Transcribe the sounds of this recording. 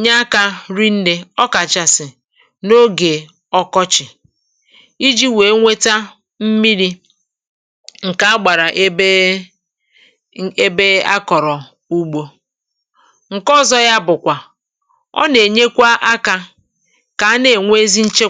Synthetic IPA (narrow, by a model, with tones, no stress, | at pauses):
ɲa˦a˦ka˦ɾi˦n̩˦de˦ɔ˦ka˨t͡ʃa˨sɪ˨ | no˦ɡe˨ | ɔ˦kɔ˦t͡ʃɪ˨ | i˦d͡ʒi˦we˨˦ŋʷe˦ta˦ | m̩˦mi˦ɾi˦ | ŋ̩˨ka˨˦a˦ɡ͡ba˨ɾa˨ʔe˦ | e˦be˦a˦kɔ˨ɾɔ˨ | u˦ɡ͡bo˦ | ŋ̩˨kɔ˦˨zɔ˦ja˦bʊ˨kʷa˨ | ɔ̰˦ne˨ɲe˦kʷa˦ʔa˦ka˦ | ka˨˦ne˨ŋʷe˦zi˦n̩˦t͡ʃe˦